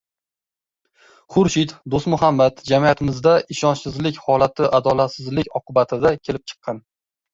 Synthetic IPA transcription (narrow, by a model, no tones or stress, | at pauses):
χʊɾʃɪt̪d̪ost̪mʊɦamːat̪d͡ʒamijat̪ʰɪmɪzd̪aɪʃɒnt͡ʃsɪzlɪkʲhɒlat̪ʰɪʔad̪ɒlat̪sɪzlɪkʲɒqʰʊbat̪ʰɪd̪akʲʰe̞lɪp̚t͡ʃʰɨ̥qːɑn